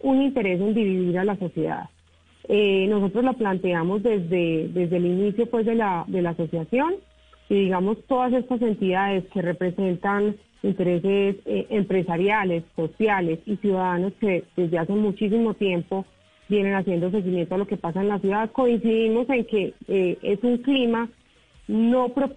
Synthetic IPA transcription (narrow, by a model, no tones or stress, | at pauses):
unint̪e̞ɾe̞s̬e̞nd̪iβiðiɾalaso̞sje̞ða̰ð | eno̞so̞t̪ɾo̞zlo̞plant̪e̞amo̞zd̪e̞zd̪e̞d̪e̞zd̪e̞linisjo̞pwe̞zd̪e̞laðe̞laːso̞sjasjo̞n | iðiɣamo̞st̪o̞ðas̬e̞st̪as̬e̞nt̪iðaðe̞ske̞re̞pɾe̞se̞nt̪an | int̪e̞ɾe̞se̞seʔempɾe̞saɾjale̞sːo̞sjale̞sisjuðaðano̞ske̞ðe̞zd̪e̞ase̞mut͡ʃis̬imo̞t̪je̞mpo̞ | bje̞ne̞nasje̞nd̪os̬eɣimjent̪oalo̞ke̞pasaenlasjuðaðko̞insiðimo̞se̞ŋke̞ee̞suŋklima | no̞pɾo